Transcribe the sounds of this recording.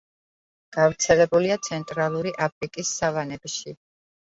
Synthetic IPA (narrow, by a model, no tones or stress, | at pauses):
ɡ̥avɾt̪sʰɛlɛbuliat̪sʰɛnt̪ʼɾalˠuɾiʔapʰɾikʼisːavanɛbʃi